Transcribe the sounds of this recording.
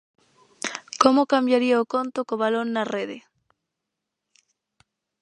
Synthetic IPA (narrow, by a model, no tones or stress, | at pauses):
komokambjaɾiaokont̪okoβalonːareðe